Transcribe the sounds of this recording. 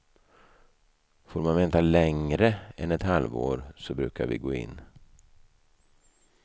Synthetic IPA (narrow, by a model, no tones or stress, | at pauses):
foːɾmanvɛːnt̪alɛŋɾəɛnɛt̪halvo̰ːɾsɔbɾʉ̟ːka̰ɾvɪ̰ɡoːɪ̰nː